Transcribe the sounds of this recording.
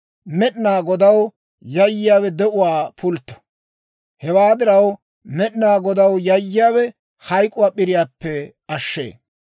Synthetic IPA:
mɛɗnaːɡɔd̪ɐw | jɐjːɪjaːwɛd̪ɛʔʊwaːpʰʊlt̪ːɔ̥ | hɛwaːd̪ɪɾɐw | mɛɗɪnaːɡɔd̪ɐwjɐjːɪjaːwɛ | hɐjkʼʊwaːpɪɾɪjaːpːɛ | ɐʃːḛː

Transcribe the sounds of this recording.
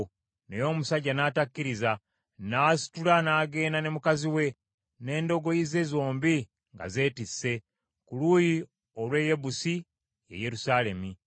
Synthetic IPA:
nejo̞ːmusaɟːanaːtakːiɾiza | naːsi̥tulanaːɡe̞ːnane̞mukaziwe̞ | ne̞ːndo̞ɡo̞jize̞zo̞ːmbi | ŋɡa̰ze̞ːtisːe̞ | kuluji | olwe̞je̞busi | jḛje̞ɾusaːle̞mi

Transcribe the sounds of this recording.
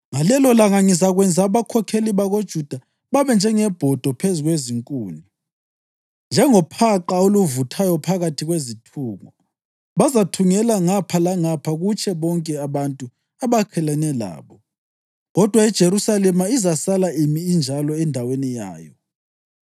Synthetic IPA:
ŋalɛlɔlaŋaŋizaɣwɛnd͡zʱaβakʰɔkʰeliβaɣod̥ʒ̥ʱud̥ʱa | βaβɛnd͡ʒʱɛŋɛb̥ʱɔd̥ʱɔpʰezuɣweziŋkʼuːni | nd͡ʒʱɛŋɔpʰaǃaoluvutʰajɔpʰaɣatʰiɣwezitʰuːŋɔ | βazatʰuŋɛlaŋapʰalaŋapʰaɣut͡ʃʰʼɛβɔŋkʼɛaβantʼu | aβakʰɛlanɛla̰ːβɔ | ɣɔd̥ʱwaid̥ʒ̥ʱeɾusalɛmaizasalaimiːnd͡ʒʱalɔɛndʱawenija̰ːjɔ

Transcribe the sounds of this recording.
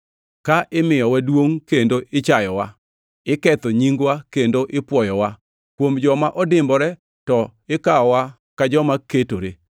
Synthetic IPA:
kaʔɪmɪjɔwadwoŋkendoʔɪt͡ʃajɔwa | ɪkɛt̪ɔɲiŋɡwakendoʔɪpwɔjɔwa | kwomd͡ʒɔmaʔɔdɪmbɔɾɛ | tɔɪkaɔwa | kad͡ʒɔmaketoɾe

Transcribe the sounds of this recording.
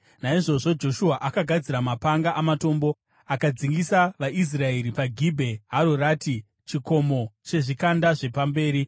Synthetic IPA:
naiʐo̞ʐo̞d͡ʒo̞ʃuaʔakaɡʱad͡ziɾamapaŋɡaʔamato̞ːmbo̞ | akad͡ziŋɡisaʋaʔis̬rae̞ɾipaɡʱibʱe̞ɦaɾoraːti | t͡ʃiko̞mo̞t͡ʃe̞ʐikandaʐe̞pambe̞ːɾi

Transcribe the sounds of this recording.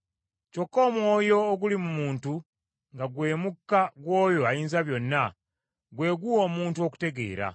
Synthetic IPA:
co̞kːo̞ːmwo̞ːjo̞ːɡulimumuːntu | ŋɡaɡwe̞ːmukːaɡwo̞ːjo̞ajiːnzaβjo̞nːa | ɡwe̞ːɡuo̞ːmuːntuo̞ku̥te̞ɡe̞̰ːɾa̰

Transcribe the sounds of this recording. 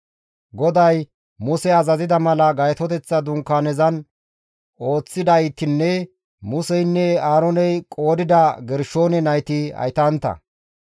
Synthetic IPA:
ɡɔd̪ɐj | mʊsɛɐzɐzɪd̪ɐmɐlɐɡɐjɛt̪ɔt̪ɛt͡sːɐd̪ʊŋkːaːnɛzɐn | o̞ːt͡sːɪd̪ɐjt̪ɪnːɛ | mʊsɛjnːɛaːɾɔnɛjkʼo̞ːd̪ɪd̪ɐɡɛɾʃoːnɛnɐjt̪ɪɐ̰jt̪ɐnt̪ːɐ̰

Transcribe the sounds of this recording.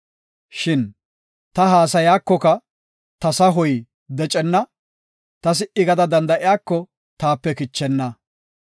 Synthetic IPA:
ʃɪn | t̪ɐɦaːs̬ɐjaːkːɔkɐ | t̪ɐsɐɦɔj | d̪ɛt͡ʃʼɛnːɐ | t̪ɐs̬ɪʔɪɡɐd̪ɐd̪ɐnd̪ɐʔɪjaːkːɔ | t̪aːpːɛkɪt͡ʃːɛnːɐ

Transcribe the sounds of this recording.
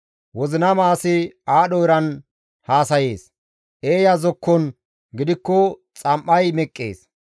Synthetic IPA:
wɔzɪnɐmaːsɪaːɗɔjɾɐn | haːsɐje̞ːs | ʔeːjazɔkːɔn | ɡɪd̪ɪkːɔt͡sʼɐmʔɐjmɛkʼːḛːs

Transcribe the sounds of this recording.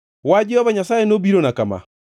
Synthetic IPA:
wad͡ʒeɔβaɲasaːenobiɾonakama̰

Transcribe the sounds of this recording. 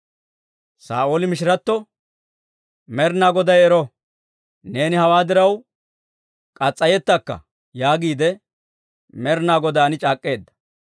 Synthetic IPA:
sa̰ːʔoːlɪmɪʃɪɾɐt̪ːɔ | mɛɾnaːɡɔd̪ɐjɛɾɔ | ne̞ːnɪhɐwaːd̪ɪɾɐw | kʼɐt͡sʼːɐjɛt̪ːɐkːɐ̰ | jaːɡiːd̪ɛ | mɛɾnaːɡɔd̪aːnɪt͡ʃʼaːkʼːe̞ːd̪ːɐ̥

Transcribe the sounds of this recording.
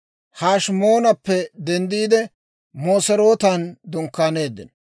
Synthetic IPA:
haːʃmoːnɐpːɛd̪ɛnd̪iːd̪ɛ | moːsɛɾo̞ːt̪ɐnd̪ɔŋkːaːne̞ːd̪ːɪ̰n

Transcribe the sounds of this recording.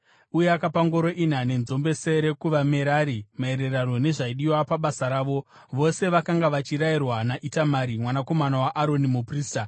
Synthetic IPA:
ujeakapaŋɡo̞ɾo̞ʔinane̞nzo̞mbe̞seɾe̞kuʋame̞ɾaːɾimae̞ɾe̞rano̞ne̞ʐaiɗiwapaɓasaɾaːʋo̞ | ʋo̞se̞ʋakaŋɡaʋat͡ʃiɾairwanaʔitamaɾimwanako̞manawaʔaɾo̞nimupriːsta

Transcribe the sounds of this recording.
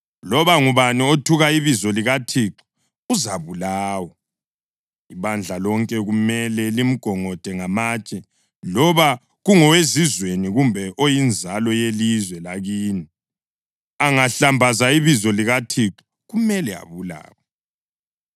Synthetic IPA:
lɔβaŋuβaniotʰuɣaiβizɔliɣatʰiǁu̥ | uzaβulaːwɔ | iβand͡ɮʱalɔŋkʼɛɣumɛlɛlim̩ɡ̥ʱɔŋɔd̥ʱɛŋamaːt͡ʃʼɛ | lɔβa | ɣuŋɔwezizweniɣumbʱɛʔojind͡zʱalɔjelizwɛlaɣiːni | aŋaɬambʱazaiβizɔliɣatʰiǁu̥ | ɣumɛlɛa̰βula̰ːwɔ

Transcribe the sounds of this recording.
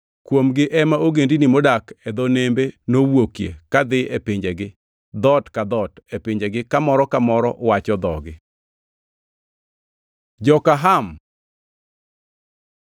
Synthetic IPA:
kwomɡɪʔɛmaoɡendinimodakɛd̪onembenowokjekad̪ɪepɪɲd͡ʒeɡɪ | d̪ɔtkad̪ɔtepɪɲd͡ʒeɡɪkamɔɾɔkamɔɾɔʔwat͡ʃɔd̪ɔɡɪ | d͡ʒɔkaɦam

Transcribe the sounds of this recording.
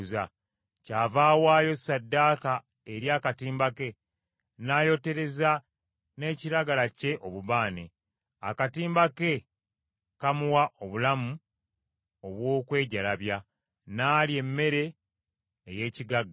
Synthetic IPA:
za | caːvaːwaːjo̞sadːaːka | e̞ɾjaːkatiːmbake̞ | naːjo̞te̞ɾe̞za | ne̞ːciɾaɡalace̞ʔo̞βuβaːne̞̰ | a̰katiːmbake̞ | kamuwaʔo̞βulamu | o̞βwo̞ːkwe̞ːɟalaβja | naːlie̞mːe̞ɾe̞ː | je̞ːciɡaɡ

